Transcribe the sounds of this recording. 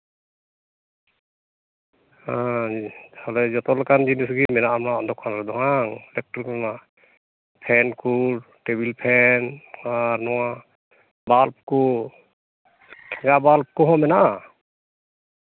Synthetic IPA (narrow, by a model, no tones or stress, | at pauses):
ha | hɔlɛd͡ʒɔt̪ɔlɛkand͡ʒinis̬ɡimɛnaʔamnaɔnd̪ɔkʰanɾɛd̪ɔŋaŋlɛk̚ʈɾkɔma | pʰɛnkʰuɾʈebilpʰɛnaɾnɔwa | balp̚ku | kʰɛŋɡabalp̚kuɦɔmɛnaʔ